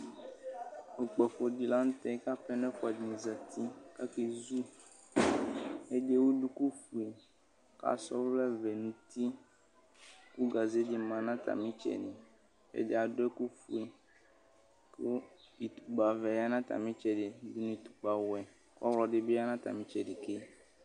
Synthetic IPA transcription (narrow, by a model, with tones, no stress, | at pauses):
o˨k͡pɛ˨fo˨di˨la˦ŋũ˦t̪ɛ˦ka˦pɛ˦nɛ̃˦fa˨dnĩ˨za˨t̪ʰi˦ka˦ke˦zu˦ | e˦d͡ʒe˦wo˦ɖu˦ku˦fu˨e˨ | ka̰˦sɔ̰˦vlɛ˦vɛ˨nũ˨t̪i˦ | ku˦ɡa˨ze˦di˨mã˨nã˦t̪a̰˨mĩ˦t͡ʃɛ̰˨ɖe˨ | ḛ˦de˦a˨ɖo˦ku˦fu˦i˨ | ko˦i˨t̪u̥˨ɡ͡ba˨vɛ˨ja˦nã˦t̪a̰˨mĩ˦t͡ʃɛ˨ɖe˨du˨˦nũ˦i˨t̪u̥˨k͡pa˨wɛ˨ | kɔ̰˦wlɔ˨ɖɪ˨be˦a˦nã˦t̪a̰˨mĩ˦t͡ʃɛ˨ɖe˨ke˦